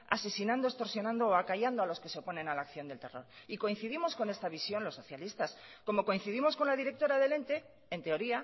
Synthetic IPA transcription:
a̰se̞sinãnd̪o̞e̞st̪o̞ɾsjo̞nãnd̪o̞ːakaʝand̪oalo̞skeseo̞po̞nẽ̞nalakθjo̞nd̪e̞lt̪e̞ro̞̰ɾiko̞in̟θiðimo̞sko̞ne̞st̪aβ̞isjo̞nlo̞sːo̞θjalist̪asko̞mo̞ko̞in̟θiðimo̞sko̞nlaðiɾe̞k̚t̪o̞ɾaðe̞le̞nt̪e̞ | ent̪e̞o̞ɾia

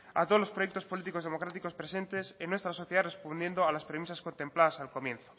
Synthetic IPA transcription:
a̰t̪olo̞spɾojek̚t̪ospolit̪̬iko̞zðemo̞kɾat̪iko̞spɾesẽ̞nt̪esenwest̪ɾaso̞θjeð̞are̞spond̪je̞nd̪oalaspɾemisasko̞nt̪e̞mplaðasalko̞mje̞nθo̥

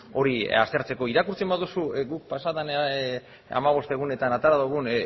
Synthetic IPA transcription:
o̞ɾia̰st̪e̞ɾt͡se̞ko̞iɾakuɾt͡se̞mbaðusuɡuk̚pasat̪an | a̰maβ̞o̞st̪e̞ɣ̞une̞t̪anat̪aɾaðuɣ̞un

